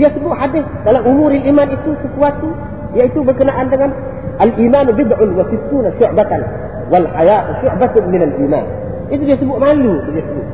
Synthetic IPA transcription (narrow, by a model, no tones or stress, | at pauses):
jasbuʔħad̪ɪdalaʔʊmuːɾaliːmaːnit̪usɪfwat̪u | jaɪt̪ubakənaʔandaɡan | ʔalʔiːmaːnbɪd̪ʕʊnwasɪt̪ːuːnaʃʊʕbat̪an | walħajaːt̪ʃʊʕbat̪mɪnalʔiːma̰ːn | ʔɪt̪udjasbuʔmaːlutdjasbuʔ